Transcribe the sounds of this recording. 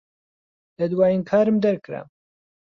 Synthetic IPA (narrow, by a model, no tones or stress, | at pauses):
lɐd̪waːjinkʰaːɾɨmd̪ɐɾkɨɾa̰